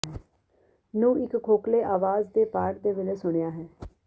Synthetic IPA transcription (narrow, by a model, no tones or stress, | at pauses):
nũːʔɪkkʰːoːkleːʔaːʋaːzd̪eːpaːʈd̪eːʋɪleːsʊɳ̃ejaːɦɛː